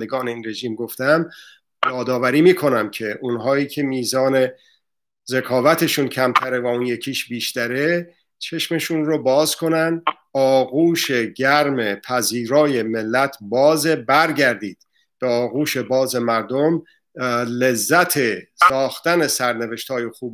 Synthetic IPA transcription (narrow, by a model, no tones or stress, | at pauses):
d̪eɡɒːne̞iːnre̞ʒiːmɡo̞ft̪æm | jɒːd̪ɒːvæɾiːmiːkʰo̞næmcʰe̞ʔunɦɒːiːcʰe̞miːzɒːne̞ | ze̞kʰɒːvæt̪ʰe̞ʃuːncʰæmt̪ʰæɾe̞væunjecʰiːʃbiːʃt̪æɾe̞ | t͡ʃʰe̞ʃme̞ʃunrobɒːzkʰo̞nænd̪ | ɒːɣuːʃe̞ɟæɾme̞pʰæziːɾɒːje̞me̞lːæt̪ʰbɒːzebæɾɟæɾd̪iːd̪̥ | b̥eɒːɣuːʃe̞bɒːze̞mæɾd̪om | le̞zːæt̪ʰe̞sɒːxt̪æne̞sæɾne̞ve̞ʃt̪hɒːjexuːb